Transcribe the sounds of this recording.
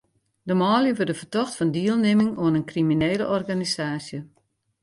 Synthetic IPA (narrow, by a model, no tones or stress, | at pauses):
dəmɔːljəʋørdəfərtɔxtfɔndiəlˠnemɪŋuənənkrimineːlə̰ʔɔrɡanisaːsjə